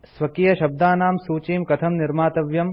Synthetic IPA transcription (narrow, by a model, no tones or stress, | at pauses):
sʋɐkijɐʃɐb̚d̪aːnaːmsuːt͡ʃiːmkɐt̪ʰɐmniɾmaːt̪ɐʋjɐm